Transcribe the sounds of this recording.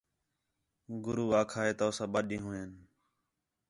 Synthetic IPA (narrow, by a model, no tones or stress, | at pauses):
ɡʊɾuːaːkʰaːɦeːt̪aːsãːɓəɗĩːɦʊːeːn